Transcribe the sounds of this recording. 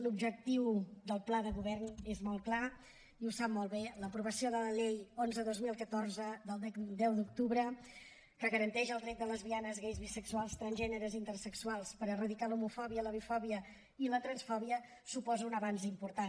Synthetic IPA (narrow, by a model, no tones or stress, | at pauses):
lubʒək̚t̪iwd̪əlˠplaðəɣuβɛrnezmɔlˠkla | iusap̚mɔlˠβeləpɾuβ̞əsioðələʎejonzəðozmilˠkət̪oɾzəd̪əlˠd̪ɛd̪ɛwd̪uk̚t̪uβɾə | kəɣəɾənt̪ɛʒəlˠd̪ɾɛt̪̚d̪ələzβianəzɣejzβisəksualˠst̪ɾənzʒɛnəɾəzint̪əɾsəksualˠspəɾərəðikalumufɔβiələβifɔβiə | ilət̪ɾənsfɔβiə | supɔzəunəβanzimpuɾt̪a